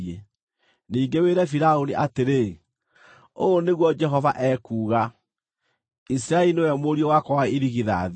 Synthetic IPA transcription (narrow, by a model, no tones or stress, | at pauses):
e | niːŋɡeweːɾɛfiɾaoniʔateɾe | oneɣwɔd͡ʒɛɦɔvaʔɛːkuːɣa | is̬iɾaɛinewɛmoɾiɔwakɔwaiɾiɣiða̰ð